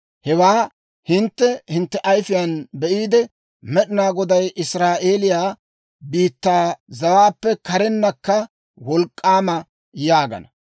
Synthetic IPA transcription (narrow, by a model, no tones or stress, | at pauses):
hɛwaː | hɪnt̪ːɛhɪnt̪ːɛʔɐjfɪjɐnbɛʔiːd̪ɛ | mɛɗɪnaːɡɔd̪ɐjʔɪsɾaːʔe̞ːlɪjaː | biːt̪ːaːzɐwaːpːɛkɐɾɛnːɐkːɐ | wɔlkʼːaːmɐ | jaːɡɐ̰nɐ